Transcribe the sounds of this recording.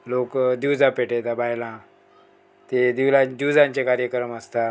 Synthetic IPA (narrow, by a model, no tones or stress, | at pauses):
lokd̪iwd͡zapeʈet̪abajlã | t̪ed̪iwlad̪iwd͡zãɲt͡ɕekaɾjəkɾəməst̪a